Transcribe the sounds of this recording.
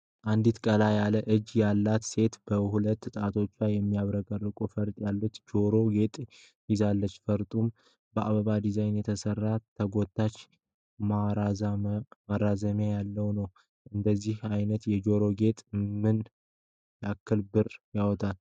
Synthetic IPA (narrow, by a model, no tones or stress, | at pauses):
ʔand̪it̪kʼəlajaləʔɨd͡ʒːjalːat̪se̞t̪b̥əhulət̪ːt̪ʼat̪ʰo̞t͡ʃːwajɛmːijaβɾəɡərːɨkʼufəɾt̪ʼjalːut̪d͡ʒo̞ɾo̞ɡe̞t̪ʼ | jɪzalːət͡ʃːfəɾt̪ʼum | bəʔaβəβad̪izajnjɛt̪ʰəsərːat̪ʰəɡo̞t̪ʰːat͡ʃː | ma | marazəmjajalːəwnəw | ʔɨnd̪əzːihajnət̪jɛd͡ʒo̞ɾo̞ɡe̞t̪ʼmɨn | jʔakːɨlbɨɾjawɔt̪ʰal